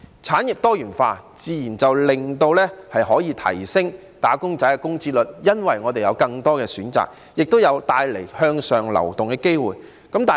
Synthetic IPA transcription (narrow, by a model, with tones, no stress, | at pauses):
t͡sʰaː˨˥njɪ˨p̚t̪ɔː˥jyː˨˩nfa̰ː˧t͡siː˨jiː˨˩nt͡sɐ˨wlɪ˨ŋt̪o˧wlɛː˥hɐ˨jɦɔː˨˥jiː˨˧t̪ʰɐ̰˨˩jsɪ˥ŋ | t̪aː˨˥kʊ˥ŋt͡sɐ˨˥jɛ˧˥kʊ˥ŋt͡si˧lɵ˨t̚jɐ˥nwɐ˨jŋɔː˨˧t̪e˨jɐ̰˨˧wkɐ˧ŋt̪ɔː˥kɛː˧syː˨˥nt͡sa̰ː˨k̚ | jɪ˨k̚t̪o˥wjɐ˨˧wt̪aː˧jle˨˩jhœː˧ŋsœː˨ŋlɐ̰˨˩wt̪ʊ˨ŋkɛː˧˥ke˥jwuː˨˩j | kɐ˨˥mt̪aː˨